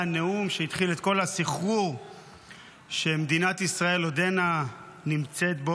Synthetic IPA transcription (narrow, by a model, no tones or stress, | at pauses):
aneumʃeit̪χilet̪̚ko̞lasiχʁuʁ | ʃe̞med̪inat̪isʁae̞lod̪e̞na | nimt͡se̞t̪̚bo